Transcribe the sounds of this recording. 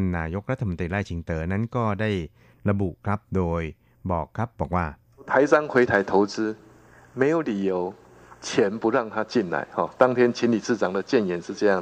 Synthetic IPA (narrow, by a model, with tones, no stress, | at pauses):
nːaː˧jo˦˥k̚ɾa˦t̪ʰːa˧mo˧˦nt̪ɾiː˧la˥˩jt͡ɕʰi˨˦ŋt̪ɤː˩˦na˦˥nkɔː˥˩daː˥˩j | ɾa˧bṵ˨˩ʔkʰɾa˦˥p̚doː˧j | bɔː˨˩kʰɾa˦˥p̚bɔː˨˩k̚waː˥˩ | t̪ʰa˨˦ɪsa˦ŋkʰwe˨˧˦t̪ʰa˨˦ɪt̪ʰo˨˦ʊt͡sɹ̩˦˥ | me˨˦jo˨˦li˨˩jo˨˦ʊ | t͡ɕʰjɛ˨˦npu˨˧˦ɾa˥˩ŋt̪ʰa˦˥t͡ɕi˥˩nla̰˨˦ɪhɔ˨˩t̪a˦˥ŋt̪ʰjɛ˦˥nt͡ɕʰi˨˦nli˨˩s̩˥˩t͡sa˨˦ŋd̪ə˨t͡ɕjɛ˥˩njɛ˨˦nʂ̩˥˧t͡sɤ˥˧ja˥˩ŋ